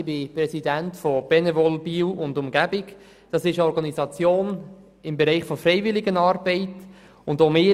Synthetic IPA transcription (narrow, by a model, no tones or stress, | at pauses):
b̥ɪpɾɛsidæntfɔb̥ɛnevɔlbiːwʊndʊmɡæbɪɡ | d̥ɑsɪʃɔɾɡɑnizɑt͡sjoːn | ɪmbɛɾɛɪχfɔfɾɛɪvɪlɪɡənɑːɾbɛɪt | ʊndomɪ